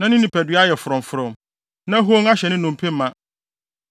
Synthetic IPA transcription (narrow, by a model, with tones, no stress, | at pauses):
nã˦nɪ̃˦nĩ˨pʰæ˨dɥa˦jɛ˨fʊ˨ɾɔ̃˨m˨fʊ˨ɾɔ̃˨m | nã˦ɦo˦ŋa˦ɕɛ˨nɪ̃˦nʊ̃˨m˨pʰe˦mã˦˨